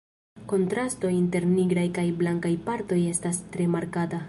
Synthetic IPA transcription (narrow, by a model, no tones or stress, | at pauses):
ko̞ntɾasto̞inte̞ɾniɡɾajkajblaŋkajpaɾto̞je̞stastɾe̞maɾkata